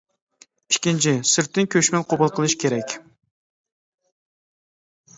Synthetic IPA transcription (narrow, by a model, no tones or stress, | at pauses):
i̥kʲːint͡ʃʰɪsɪɾt̪ːɪnkʲʰøʃmɪnqʰobʊlˠqʰəlˠɨʃkʲʰeɾɛkʲ